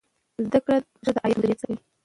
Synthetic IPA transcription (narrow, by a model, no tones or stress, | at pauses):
zd̪akɽa | ʐəd̪əʔɑjɑnd̪əɾet͡sawi